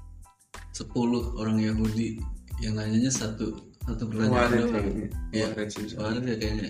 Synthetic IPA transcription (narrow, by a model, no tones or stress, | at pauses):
səpulʊhoɾaŋjaɦudijaŋaɲaɲasat̪u | sat̪ubərlaɲdajabaɾət̪jakajaŋɲa